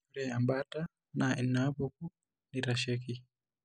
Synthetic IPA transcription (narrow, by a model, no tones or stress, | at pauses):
uɾɛambata | nainːaβuku | niɾaʃɛki